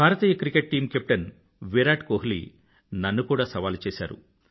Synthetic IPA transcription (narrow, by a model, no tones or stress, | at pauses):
bʱaːɾɐt̪iːjɐkɾikeʈ̚ʈiːmkep̚ʈɐn | ʋeɾaːʈkoːɦlḭ | nɐnːukuːɽaːsɐʋaːlt͡ʃeːsa̰ːɾṵ